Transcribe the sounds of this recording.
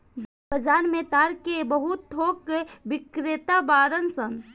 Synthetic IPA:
bəd͡ʒaːnmẽt̪aːɾkebəɦut̪ʰːoːkebɪkɾet̪abaːɾənsən

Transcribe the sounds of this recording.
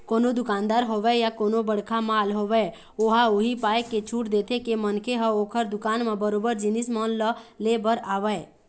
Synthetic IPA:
koːnod̪ʊkaːnd̪aɾɦoʋɛjakoːnobəɽ̤kʰamaːlɦoʋɛ | oɦaoɦipaːekːet͡ʃʰuʈd̪et̪ʰekemənkʰeɦəoːkʰəɾd̪ʊkaːnmẽbəɾoːbəɾd͡ʒinismɔnləlebəɾaːʋɛ

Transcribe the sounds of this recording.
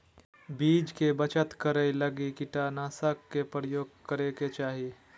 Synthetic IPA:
biːd͡ʒkebət͡ʃət̪kəɾəiləɡikɪʈanaːsəkːepɾəjoːɡ̚kəɾeket͡ʃaːɦi

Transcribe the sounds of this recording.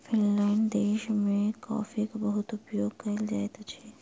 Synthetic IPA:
fʰɪnlaɪnd̪eːʃmẽka̰ːfikabɐɦʊt̪ʊpjoːɡ̚kɐld͡ʒaːet̪ot͡ʃʰe

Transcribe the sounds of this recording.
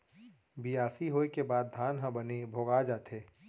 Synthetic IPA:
bijaːsiɦoːekebaːd̪̚ːʱaːnɦə̃bənebʱoːɡad͡ʒaːt̪ʰeː

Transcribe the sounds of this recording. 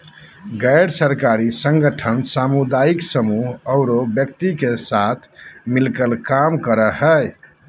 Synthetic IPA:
ɡəjɽsəɾkaɾisə̃ŋɡəʈʰənsamud̪aiksəmuɦəʊɾobjək̚t̪ikesat̪ʰmilkəlkamkəɾəhəj

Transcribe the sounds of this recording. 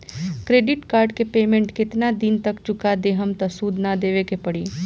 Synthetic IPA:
kɾeːɖɪʈkaːɾɖkepeːmẽɳʈkɪt̪nad̪ɪnt̪ɐkt͡ʃʊkad̪eːɦəmt̪ɐsuːd̪nad̪eːʋekepɐɽiː

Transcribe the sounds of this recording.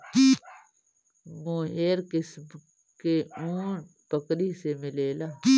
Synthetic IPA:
i | moːɦeːɾkɪsm | keuːn | pəkɾisemɪleːlaː

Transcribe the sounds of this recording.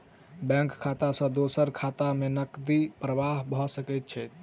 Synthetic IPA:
bɛ̃ŋkkʰːat̪asə̃d̪osəɾkʰat̪amenəkd̪ipɾəʋaɦbʱɔsəkɛt̪̚t͡ʃʰɛt̪

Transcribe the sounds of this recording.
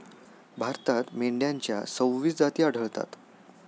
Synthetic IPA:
bʱaɾt̪at̪meɳɖjaɲt͡ɕjasə̃wʋiːt͡sd͡zat̪iːaɽ̤ʱəɭt̪a̰t̪

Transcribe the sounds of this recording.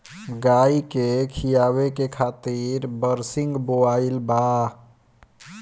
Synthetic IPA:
ɡaikekʰijaβekekʰat̪iɾbəɾsiŋɡboailba

